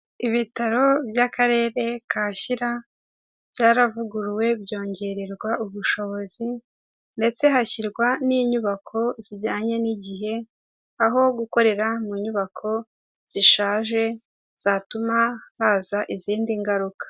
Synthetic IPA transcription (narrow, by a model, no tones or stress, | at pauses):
iβitaɾo̞bjakaɾe̞ːɾe̞kaːçiɾa | b̥jaːɾavuɡuɾwe̞bjo̞ːɲɟe̞ɾeɾɡwaʔuβuʃo̞βo̞zi | nde̞t͡se̞ɦaçiɾɡwaniːɲuβakʰo̞z̥iɟaːɲe̞niɟiɦe̞ | aɦo̞ɡuko̞ɾe̞ɾamuɲuβakʰo̞ | z̥iʃaːʒe̞ | z̥aːtumahaːzaʔiziːndiŋɡaɾukḁ